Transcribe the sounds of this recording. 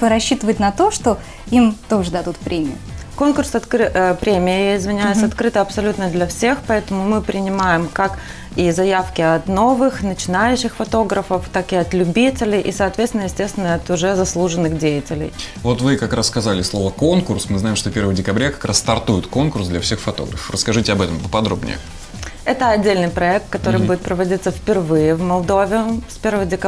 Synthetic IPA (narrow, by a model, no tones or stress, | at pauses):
ɾɐɕːit̪əvəɪt̚ʲnɐt̪o̞ʂt̪o | imt̪oʐɨd̪ɐd̪ut̪̚pɾʲemʲɪ̰jʊko̞nkʊrsɐt̪kɨpɾʲemʲɪjəjeɪzmʲɪnʲajɪsɐt̪kɾɨt̪əɐpsɐlʲut̪nəd̪lʲɐfsʲe̞xpɐɛt̪əmʊmɨpɾʲɪnʲɪmajɪmkak | izɐjafkʲɪɐt̪no̞vɨxnət͡ɕɪnajʉɕːɪxfɐt̪o̞ɡɾəfəft̪akɪɐt̪lʲʉbʲitʲɪlʲɪjʔisɐːt̪vʲet̪st̪ʲɪnəjɪsʲtʲe̞st̪ʲɪnəɐt̪ʊʐɛzɐslˠuʐənːɨxdʲejɪtʲɪlʲɪ̰jvo̞t̪vɨkɐkɾasskɐzalʲɪslˠo̞vəko̞nkʊrsmɨznaɪmʂt̪opʲe̞rvəjdʲɪkɐbɾʲakɐ̥kɾasːt̪ɐrt̪ujɪt̪ko̞nkʊrsd̪lʲɐfsʲexfɐt̪o̞̰ɡɾəfəfrəskɐʐɨtʲɪɐbɛt̪əmpəpɐd̪ɾo̞̰bnʲɪ̰jə̰ | ɛt̪əɐdʲːelʲnɨjpɾɐɛk̚t̪̚kɐt̪o̞ɾɨjbudʲɪt̪pɾəvɐdʲit̪səfpʲɪrvɨjɪvmɐlˠd̪o̞vʲɪʊspʲe̞rvəvədʲɪkɐ